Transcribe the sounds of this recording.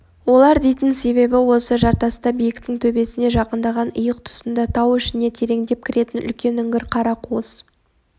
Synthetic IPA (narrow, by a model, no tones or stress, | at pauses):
wo̞lˠɑɾd̪e̞jt̪ɪnse̞βe̞bɪwo̞səʒɑɾt̪ɑst̪ɑbijɪkt̪ɪŋt̪ʰɵbe̞sɪne̞ʒɑqənd̪ɑʁɑnʊjəq̚t̪ʰʊ̥sənd̪ɑt̪ʰɑwɪʃɪne̞t̪ʰe̞ɾe̞ŋd̪e̞p̚kʲʰɪɾe̞t̪ɪnʏ̰lkʲe̞nʏŋɡʲɪɾqʰɑɾɑqʰuəz